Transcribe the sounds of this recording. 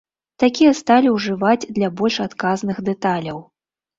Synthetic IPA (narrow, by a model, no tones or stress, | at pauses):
t̪akʲijɐst̪alʲiwʐɨvad͡zʲd̪lʲabɔlʲʂat̪kaznɨxd̪ɛt̪alʲɐw